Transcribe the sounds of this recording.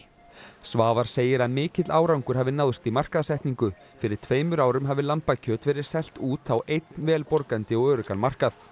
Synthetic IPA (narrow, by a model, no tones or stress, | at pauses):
svaːvaɾ̥seːjɪɾaðmɪːcɪt̪laːwɾawŋkʏɾ̥ɦɛvðɪnawðst̪imar̥kaðsɛjht̪niŋkʏ | fɪɾɪɾ̥t̪ʰveːjmʏɾaːwɾʏmɦavɪlanpacʰœːt̪vɛːɾɪɾ̥sɛl̥t̪uːt̪awʔejt̪nvɛːlpɔɾkant̪ɪɔɣœːɾʏkanmar̥kaθ